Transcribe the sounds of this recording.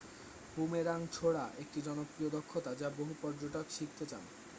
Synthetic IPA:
bumeɾaŋt͡ɕʰoɽaʔek̚ʈid͡ʑɔnokɾiod̪okʰːot̪ad͡ʑaboɦupɔɾd͡ʑoʈokʃik̚t̪et͡ɕa̰n

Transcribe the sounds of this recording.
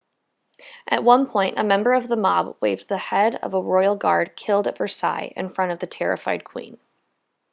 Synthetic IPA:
ʔɨt̚wʌ̃npʰɔ̃ɪ̃ntə̰mɛ̃mbə˞ʌvðəmɑbweɪvðəhɛɾʌ̰vəɹɔɪl̩ˠɡɑɹd̚kʰɪlˠdɨtv̥ə˞sa̰ɪʔɨ̰̃nfɹʌ̃ɾ̃ʌvðɨtʰɛɹɨ̰faɪd̚kʰw̥ḭ̃n

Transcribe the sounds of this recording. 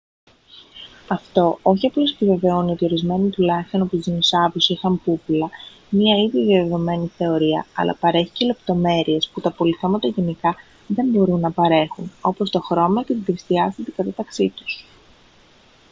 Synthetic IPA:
ɐft̪o̞o̞çiɐplo̞s̬epive̞ve̞o̞nio̞t̪io̞ɾizme̞nit̪ulɐçist̪o̞no̞pust̪izinosɐvusixɐmpupulɐ | miɐiðiðjɐðe̞ðo̞me̞niθe̞o̞ɾiɐ̰ɐ̰lʔɐ̰pɐɾe̞çi̥cele̞pt̪o̞me̞ɾie̞sput̪ɐpo̞liθe̞mɐt̪ɐʝe̞nikɐ | ðe̞mbo̞ɾunːɐpɐɾe̞xuno̞po̞st̪o̞xɾo̞mɐce̞t̪iðest̪iɐst̪it̪ikɐt̪ɐt̪ɐksit̪u̥s

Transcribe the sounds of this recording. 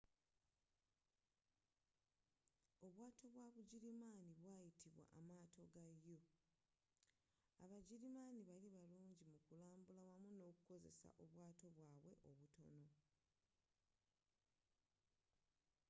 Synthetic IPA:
o̞βwaːtʰo̞βwaβuɟiɾimaːniβwaːjitʰiβwa̰ʔamaːto̞ɡajːo̞ | aβaɟiɾimaːniβaliβaluːɲɟimukulaːmbulawamuno̞ːkuko̞ze̞̰sa̰ʔoβwaːto̞βwaːβwe̞̰ʔo̞βuto̞no̞

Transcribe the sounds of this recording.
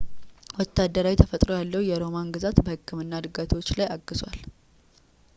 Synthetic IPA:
wɔt̪ʰːad̪ːəɾawit̪ʰəfət̪ʼɾo̞jalːəwjɛɾo̞manɡɨzat̪bəhɨkʰːɨmɨnːad̪ɨɡat̪ʰo̞t͡ʃːlajaɡːɨzwa̰l

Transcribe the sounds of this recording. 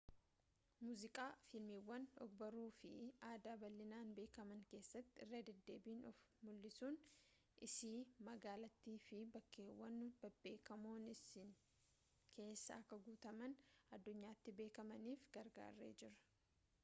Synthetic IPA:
muːzɪkʼaːfɪlmiwːɐnɔɡbɐɾuːfɪ̰aːd̪aːbɐlːɪnaːnbe̞ːkɐmɐŋke̞ːsːɐt̪ːɪɪrːeːd̪ɛd̪ːe̞ːbiːnɔfmʊlːɪsuːn | ʔɪsiːmɐɡaːlɐt̪ːiːfɪbɐkːeːwːɐnbɐbe̞ːkɐmoːnɪsɪn | kʰe̞ːsːɐ̰ɐkːɐɡuːt̪ɐmɐnɐd̪ːʊɲːaːt̪ːɪbe̞ːkɐmɐniːfɡ̥ɐɾɡa̰ːrːḛːd͡ʒɪɾɐ̥

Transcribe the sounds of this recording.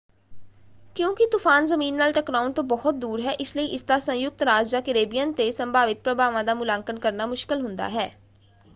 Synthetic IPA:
kjõːkɪt̪ʊfʰaːnzəmiːnːaːlʈəkɾaːʊnt̪õːbɔːʊt̪̚d̪uːɾɦɛːʔɪsləiːʔɪsd̪aːsə̃jʊk̚t̪ɾaːd͡ʒd͡ʒaːkɪɾeːbijãːnt̪eːsəmbaːʋɪt̪̚pɾəbaːʋãːd̪aːmʊlaːŋkənkəɾnaːmʊʃkɪlɦʊnd̪a̰ːɦɛː

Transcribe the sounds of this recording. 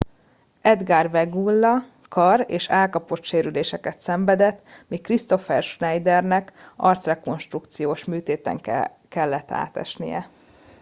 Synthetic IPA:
ɛd̪ɡaːrvɛɡulːɒ | kɒreːʃaːlkɒpo̞t̪ʃeːɾyleːʃɛkɛt̪sɛɱvɛd̪ɛt̪ːmikrist̪o̞fɛrʃnɛjd̪ɛrnɛkɒrt̪srɛko̞nʃt̪rukt̪sijoːʃmyːt̪eːt̪ɛ̰ŋ | kɛlːɛt̪ːa̰ːt̪ɛ̰ʃnḭjɛ̰

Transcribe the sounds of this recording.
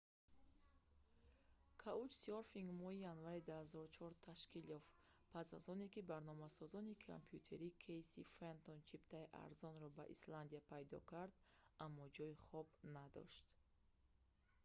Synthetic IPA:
kʰaut͡ʃsiɔɾfiŋɡmɔhijanvaɾid̪uhazɔɾut͡ʃʰɔɾt̪ʰaʃkiljɔf | pʰasazɔne̞kibaɾnɔmasɔzɔnikʰa̰mpʰjut̪ʰe̞ɾikʰejsifɾent̪ont͡ʃʰipt̪ʰaiʔa̰ɾzɔnɾɔba̰ʔḭsland̪iapʰajd̪ɔ̰kaɾd̪amːɔd͡ʒɔjiχɔbnad̪ɔ̰ʃt̪

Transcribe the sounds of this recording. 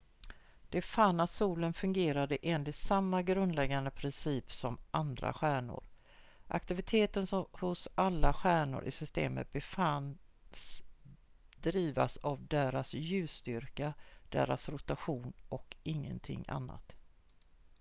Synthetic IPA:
d̪̥ɛfanːat̪suːlənfɵŋɡeːɾad̪əʔeːnlɪt̪samːaɡɾɵnd̪lɛɡːand̪əpʰɾɪnsiːpsɔmʔand̪ɾa̰ɧæːɳʊ̰ɾ | ʔa̰kt̪ɪvɪt̪ʰeːt̪ənshʊsalːaɧæːɳʊ̰ɾʔɪ̰sʏst̪ḛːmə̰t̪̚bɛfan | s | d̪̥ɾiːva̰savd̪eːɾasjʉ̟ːst̪ʏɾkad̪̥ḛːɾasɾʊt̪aɧuːnɔkɪŋːə̰nt̪ʰɪ̰ŋːa̰nːa̰t̪

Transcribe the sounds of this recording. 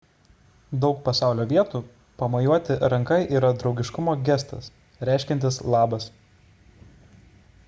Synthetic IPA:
d̪ɒʊk̚pɐsɑˑʊlʲoːʋʲiɛt̪uː | pɐmɐjuɔt̪ʲɪɾɐŋkɐɪʔiːɾɐd̪ɾɒʊɡʲɪʃkʊmoːɡʲɛst̪ɐ̰s | ɾʲæˑɪʃʲkʲɛnt̪ʲɪslˠɑːbɐs

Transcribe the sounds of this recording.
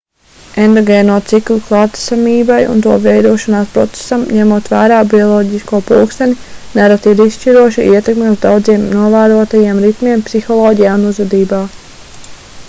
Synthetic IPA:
end̪ɔɡeːnuɔt̪siklʲuklˠaːt̪i̥samiːbajṵnt̪uɔvɛjd̪uɔʃanaːspɾɔ̰t̪se̥samɲɛmuɔt̪ʋæːɾaːbiɔlˠɔːɟiskuɔpṵlksaninaɾat̪iːɾisʃt͡ʃiɾuɔʃiʔiɛt̪ekmeuzd̪awd̪ziɛmnuɔvæːɾuɔt̪ajeɛmɾit̪miɛmpsixɔlˠɔːɟijaːunuzvɛd̪iːbaː

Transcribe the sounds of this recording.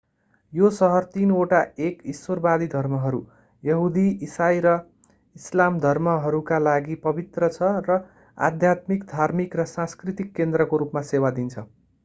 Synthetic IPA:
josʌɦʌrt̪inoʈaekisworbad̪id̪ʱʌrmʌɦʌɾu | jʌɦud̪iisajɾʌ | islamd̪ʱʌrmʌɦʌɾukalaɡipʌbit̪rʌt͡sʰʌrʌ | a̰d̪ʱjat̪mikd̪ʱarmikrʌsãskrit̪ikːend̪ɾʌkoɾupmasewad̪int͡sʰʌ

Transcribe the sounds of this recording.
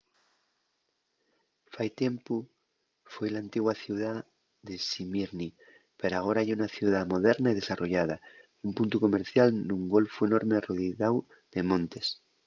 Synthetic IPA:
fajt̪empu | fwejlaːnt̪iɣwaθjuða | ðesimiɾni | peɾoaɣ̞o̞ɾaajunaθjuðamo̞ð̞eɾnaiðe̞saro̞ʝað̞a | umpunt̪uko̞me̞ɾθjaluŋɡo̞lfue̞no̞ɾmeroðiðaw | ðe̞mõ̞nt̪es

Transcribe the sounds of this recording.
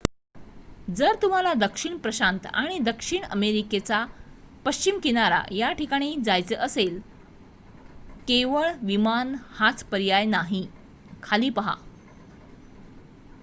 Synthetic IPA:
d͡zəɾt̪um̤alad̪əkʂiɳpɾəɕant̪aɽ̃id̪əkʂiɳə̰meɾiket͡sa | pəɕt͡ɕimkiɽ̃aɾa̰jaʈikaɽ̃iːd͡zajt͡səʔəsel | keʋəɭʋimanhat͡spəɾjajnaɦi | kʰaliːpəɦa̰

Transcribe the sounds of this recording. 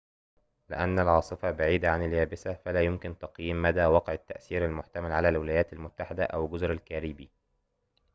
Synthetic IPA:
lɪ̰ʔænːælʕɑːsˤɨfɑbaʕiːd̪aʕanɪljæːbɪsæfælæːjʊmkɪnt̪ɑqjiːmːæd̪æːwɑqʕɪt̪ːæʔsiːɾalmʊħt̪amælʕalæːlwɪlæːjæːt̪almʊt̪ːaħɪd̪æʔæwɡʊzɾalkæɾiːbiː

